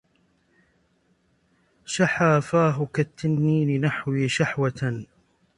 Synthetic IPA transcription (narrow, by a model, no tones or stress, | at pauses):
ʃaħaːfaːɦʊkat̪ːanːiːnɪnaħwiːʃaħwat̪